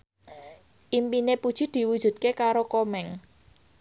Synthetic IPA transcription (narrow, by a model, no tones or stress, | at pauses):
ʔimpinepud̥ʒ̥i̤d̪̥i̤wud̥ʒ̥ṳt̪̚kekaɾokomɛŋ